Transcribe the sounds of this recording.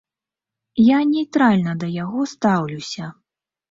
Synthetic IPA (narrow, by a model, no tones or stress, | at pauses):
janʲɛjt̪ɾalʲnɐd̪ɐjaɣɔst̪awlʲuwsʲɐ